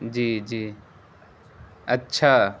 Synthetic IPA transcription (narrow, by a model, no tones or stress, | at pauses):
d͡ʒiːd͡ʒiː | ɐtːʃʰa